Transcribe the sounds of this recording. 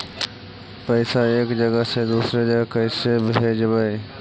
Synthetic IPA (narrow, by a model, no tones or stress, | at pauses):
pəɪsaeːkd͡ʒəɡəɦsed̪uːsɾed͡ʒəɡəkəɪsebɦed͡ʒəbae